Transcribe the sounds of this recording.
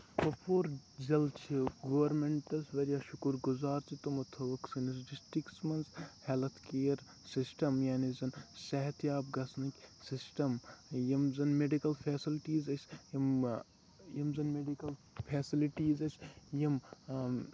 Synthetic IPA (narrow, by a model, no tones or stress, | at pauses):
pɐpʰoːɾd͡ʒɐlt͡ʃʰiɡɐːʋɐɾmeɳʈɐsʋɐɾjaʃukuɾɡuzaːɾt͡ʃit̪umɐt̪ʰɐʋɐksinis̬ɖisʈɾiksmɐnshelt̪ʰkeːjɐɾ | sisʈɐmjaːnizɐnsɐɦɐt̪jaːb̚ɡɐsniksisʈɐmjɐmzɐnmeɖikɐlpʰeːsilʈiːzɐsʲjɐm | jɐmzɐnmeɖikɐl | pʰeːsiliʈiːzɐt͡ʃʰʲjɐm